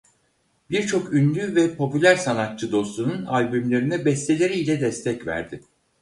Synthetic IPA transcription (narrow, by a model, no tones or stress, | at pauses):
biɾt͡ʃʰo̞kynd̪ʲyvɛpʰo̞pylʲæɾsanat̪̚t͡ʃʰɯd̪o̞st̪ununalʲbymlʲe̞ɾinɛbɛst̪ʰelʲe̞ɾiːlʲɛd̪ɛst̪ʰɛcvæ̰ɾd̪ɪ